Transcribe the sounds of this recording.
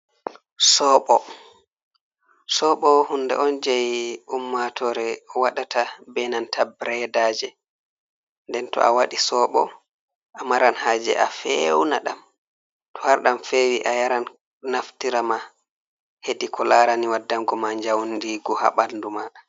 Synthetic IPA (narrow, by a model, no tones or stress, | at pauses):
sɔɓɔ | sɔɓɔhundɛ̰ʔɔnd͡ʒajumːatʰɔɾɛɔwaɗatʰabɛnantʰabɾɛdaːd͡ʒɛ | ndɛntɔ̰ʔa̰waɗisɔɓɔ̰ | ʔamaɾanhaːd͡ʒɛ̰ʔafewnaɗam | tɔhaɾɗamfewiʔajaɾanː | aftiɾama | hedikʰɔlaɾaniwadːamɡɔmaɲd͡ʒawndiɡɔha̰ɓalduma